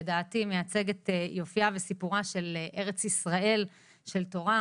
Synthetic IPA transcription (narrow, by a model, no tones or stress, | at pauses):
edaːtimejat͡se̞ɡet̪ejo̞fiavesipuʁaʃe̞lʔe̞ʁet͡sisʁae̞l | ʃe̞lto̞ʁa